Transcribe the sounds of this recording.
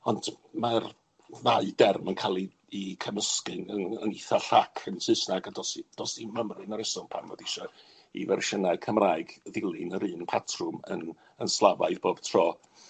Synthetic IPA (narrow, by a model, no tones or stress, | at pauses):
ɔndmar | ðaɨdɛrmənkʰalˠiː | kʰəməskɨnəəniθaɬakʰənsɨsnaɡadɔsid̥ɔsiməmrɨnəɾɛsɔnpʰanvo̰dɪʃɔ | ḭvɛrʃənaɨkʰəmraːɨɡðɪlˠɨnəɾɨːnpʰatʰrʊmə̰n | ənslˠavaɨðb̥oːb̥tʰrɔː